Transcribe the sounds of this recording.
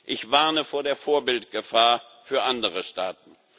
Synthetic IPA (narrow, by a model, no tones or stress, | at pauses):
ʔɪçv̥aɐnəfoːɐdeːɐfoːɐbɪltɡ̥əfaːɐ | fyːɐʔandəʁəʃtaːtn̩